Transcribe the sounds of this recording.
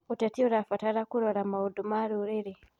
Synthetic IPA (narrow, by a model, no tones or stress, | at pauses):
utatioɾafataɾakuɾoɾamaudumaɾuɾiɾi